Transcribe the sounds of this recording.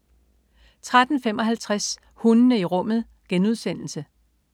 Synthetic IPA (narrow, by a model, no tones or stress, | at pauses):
t͡sʰʁad̥n̩femɒ̽ɦælt͡sʰʁas | hunənəiʁɔ̽m̰ð̞̩ˠ | ɡ̥enuð̞ˠsen̰l̩sə